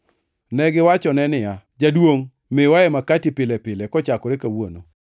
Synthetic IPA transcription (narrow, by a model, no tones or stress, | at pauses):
nɛɡɪwat͡ʃɔnɛnɪjad͡ʒadwoŋ | mewaɛmakatipɪlɛpɪlɛkɔt͡ʃakɔɾekawo̰no